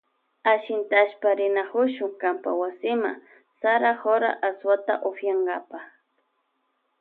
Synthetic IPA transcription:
aʃɪnt̪aʃpaɾɪnakʊʃʊŋkampawasɪma̰ | saɾaxoɾa̰ʔaswat̪a̰ʔofjaŋɡapa

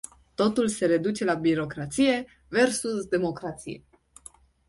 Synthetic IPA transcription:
t̪o̞t̪ulse̞ɾe̞d̪ut͡ʃe̞labiɾo̞kɾat̪sije̞ | ve̞rsusd̪e̞mo̞kɾat̪sḭje

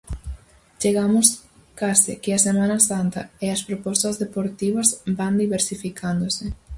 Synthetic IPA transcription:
t͡ʃeɣamʊskasɪ̰kɪɐsemãnɐsant̪ɐ̰eɐspɾopɔst̪ɐzðepoɾt̪iβɐzband̪iβeɾsifikʰand̪osɪ

